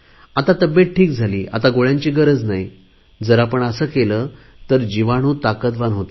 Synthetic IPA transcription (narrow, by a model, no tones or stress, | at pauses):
at̪at̪əbjeʈ̚ʈʰiːkd͡zʱaliːʔa̰t̪aɡoɭjãɲt͡ɕiːɡəɾəd͡znai | d͡zəɾapəɳəsəːkeləː | t̪əɾd͡ʑiʋaɽ̃uːt̪akəd̪ʋanɦot̪e